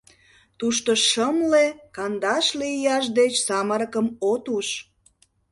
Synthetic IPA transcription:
t̪uʃt̪oʃəmlekɑnd̪ɑʃlijɑʃ̬d̪et͡ɕsɑməɾəkəmot̪uʃ

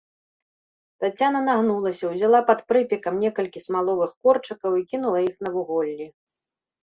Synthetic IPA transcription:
t̪at͡sʲːanɐnaɣnulˠɐsʲɐwzʲalˠapɐt̪pɾɨpʲikɐmnʲɛkɐlʲkʲismalˠɔvɨxkɔrt͡ʂɨkɐwikʲinulˠɐixn̪ɐvuɣɔlʲːi

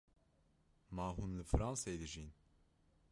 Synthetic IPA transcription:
maːɦunlɨfɨɾɑnsejd̪ɨʒin

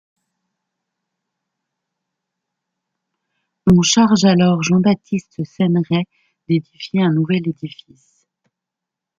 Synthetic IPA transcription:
ɔ̃ʃaʁʒalɔʁʒɑ̃bat̪ʰist̪sɛnʁɛ | d̪ed̪ifjeɛ̃nuvɛled̪ifis

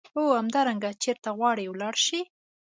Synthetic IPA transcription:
ohamd̪ɑɾaŋɡat͡ʃeɾt̪aɣwɑɽewlɑɽʃi

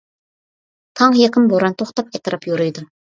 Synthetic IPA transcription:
t̪ʰɑŋjeqɪmboɾɑnt̪ʰoχt̪ɑpɛt̪ɨɾɑpjoɾujd̪ʊ

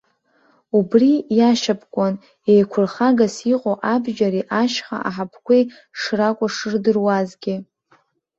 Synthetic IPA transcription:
ubrijaʃapʰʼkʷʼan | ejkʷʰʊrχaɡasiqʼoʔabʒaɾiʔaʃχa̰aħapʰkʷej | ʂrakʷʼʊʂɨrdɨrwazɡʲɪ

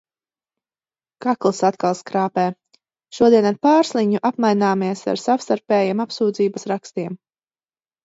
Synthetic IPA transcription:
kaklˠsat̪kalˠskɾaːpɛː | ʃuɔd̪iɛnaɾpaːɾslˠiɲuʔapmajnaːmiɛsa̰ɾsawst̪aɾpɛːjiɛːmapsuːd̪ziːbasɾakst̪iɛm

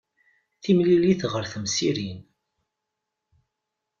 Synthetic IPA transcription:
θimliliθʁəɾθəmsiɾin

